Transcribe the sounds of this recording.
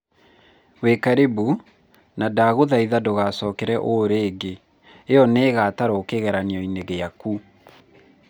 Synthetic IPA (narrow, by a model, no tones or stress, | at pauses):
wekaɾebu | nadaːɣoðaiðadoɣasɔːkeɾɛʔoɾeːɡe | eɔneːɣataɾoːkeɣɛɾaneɔineɣejaku